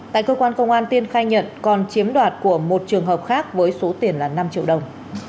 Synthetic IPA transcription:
t̪a̰ː˧˨jkəː˧kwaː˧nkə˧wŋ͡mʔaː˧nt̪i˧ənxaː˧jɲə̰˧˨nkɔ˨˩nt͡ɕi˨˦əmɗwaː˨˩t̚ku˧˩əmo˨˩t̚t͡ɕɨ˨˩əŋɦəː˨˩p̚xaː˦˥k̚vəː˨˦jso˨˦t̪i˨˩ənlaː˨˩na˧mt͡ɕḭ˧˨əwɗə˨˩wŋ͡m

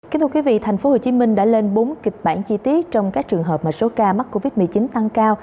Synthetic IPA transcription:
ki˧˦t̪ʰu˧kwi˨˦vḭ˧˨t̪ʰa˨˩jŋ̟fo˨˦ho˨˩t͡ɕi˨˦mï˧ŋ̟ɗa̰ː˧˥le˧nɓo˨˦nki˨˩k̚ɓa̰ː˧˩˨nt͡ɕi˧t̪i˦˥ət̚t͡ɕɔ˧wŋ͡mkaː˦˥k̚t͡ɕɨ˨˩əŋɦəː˨˩p̚maː˨˩so˨˦kaː˧ma˦˥k̚ko˧vi˦˥t̚mɨ˨˩t͡ɕi˨˦nt̪a˧ŋkaː˧w

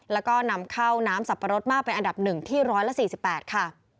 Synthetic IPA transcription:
lɛː˦˥wkɔː˥˩na˧mkʰa˥˩wnaː˦˥msa˨˩pʰːa˧ɾo˦˥t̪̚maː˥˩k̚pa˧nʔa˧nda˨˩p̚nɯ˨˩ŋt̪ʰiː˥˩ɾɔː˦˥jla˧˥siː˨˩si˨˩pːɛː˨˩t̪̚kʰa˥˩

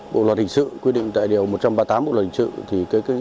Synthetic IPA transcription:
ɓo̰˧˨lwə˨˩t̚hï˨˩ŋ̟sɨ̰˧˨kwi˧ɗḭ˧˨ŋ̟t̪a̰ː˧˨jɗi˨˩əwmo˨˩t̚t͡ɕa˧mɓaː˧t̪aː˨˦mɓo̰˧˨lə˨˩t̚hi˨˩ŋ˩sɨ̰˧˨t̪ʰi˨˩kaː˨˦jkː

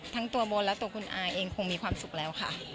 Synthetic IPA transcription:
t̪ʰa˦˥ŋt̪u˧ɐboː˧lɛː˦˥wt̪u˧əkʰu˧nʔaː˧ʔeː˧ŋkʰo˧ŋmiː˧kʰwaː˧msu˨˩k̚lɛː˦˥wkʰa˥˩

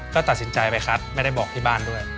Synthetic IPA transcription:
kɔː˥˩t̪a˨˩si˩˦nt͡ɕa˧jpa˧jxʰa˦˥t̪̚ma˥˩jda˥˩jbɔː˨˩k̚t̪ʰiː˥˩baː˥˩ndu˥˩əj

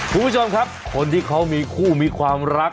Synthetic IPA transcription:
kʰu˧mpu˥˩o˧mkʰa˦˥p̚kʰo˧nt̪ʰiː˥˩kʰa˦˥wmiː˧kʰuː˥˩miː˧kʰwaː˧mɾa˦˥k̚

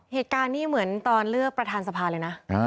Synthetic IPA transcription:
heː˨˩t̪̚kaː˧nːiː˥˩mɯ˩˦ənt̪ɔː˧nɾɯ˥˩ək̚pɾa˧t̪ʰaː˧nsa˧pʰaː˧lɤː˧jna˦˥a˧

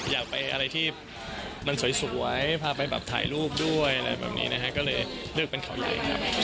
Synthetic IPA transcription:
jaː˨˩k̚pa˧jʔa˧ɾa˧jt̪ʰiː˥˩ | ma˧nsu˩˦jsu˩˦˩əjpʰaː˧pa˧jbɛ̰ː˨˩p̚t̪ʰa̰ː˨˩jɾuː˥˩p̚du˥˩əja˧ɾa˧jbɛ̰ː˨˩p̚nḭː˦˥na˦˥kʰa˦˥kɔː˥˩lɤː˧jlɯ˥˩k̚pe˧nkʰa˨˩˦wja̰˨˩˦jkʰɾa̰˦˥p̚

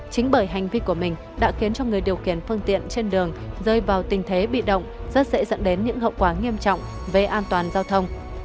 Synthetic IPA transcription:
t͡ɕï˨˦ŋ̟ɓəː˧˩jɦa˨˩jŋ̟vi˧ku˧˩əmï˨˩ŋ̟ | ɗa̰ː˧˥xi˨˦ənt͡ɕɔ˧ŋɨ˨˩əjɗi˨˩əwxi˧˩ənfɨ˧nt̪ḭ˧˨ənt͡ɕe˧nɗɨ˨˩əŋzəː˧˩jvaː˨˩wt̪ï˨˩ŋ̟t̪ʰe˨˦ɓḭ˧˨ɗə̰˧˨wŋ͡mz̥ə˦˥t̚zḛ˧˥zə̰˧˨nɗe˨˦nɲɨ̰˧˥ŋɦə̰˧˨wkwaː˧˩ŋi˧əmt͡ɕɔ̰˧˨wŋ͡m | ve˨˩ʔaː˧nt̪waː˨˩nzaː˧wt̪ʰə˧wŋ͡m

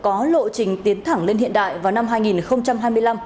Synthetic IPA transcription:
kɔ˨˦lo̰˧˨t͡ɕï˨˩ŋ̟t̪i˨˦ənt̪ʰa˧˩ŋle˧nɦḭ˧˨əɗa̰ː˧˨jvaː˨˩wna˧mɦaː˧jŋi˨˩nxə˧wŋ͡mt͡ɕa˧mɦaː˧jmɨ˧əla˧m

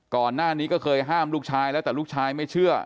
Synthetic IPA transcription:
kɔː˨˩nːaː˥˩niː˦˥kɔː˥˩kʰɤː˧jɦaː˥˩mlu˥˩k̚t͡ɕʰaː˧jlɛː˦˥wt̪ɛː˨˩lu˥˩k̚t͡ɕʰaː˧jma˥˩jt͡ɕʰɯ˥˩ɐ

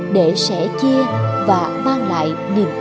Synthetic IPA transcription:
ɗe˧˩sɛ̰˧˥t͡ɕi˧əvaː˨˩maː˧ŋla̰ː˧˨j | ni˨˩əm

